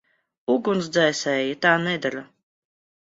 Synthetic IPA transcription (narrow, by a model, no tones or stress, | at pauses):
uɡuns̬d̪zɛːsɛːjit̪aːnɛd̪aɾa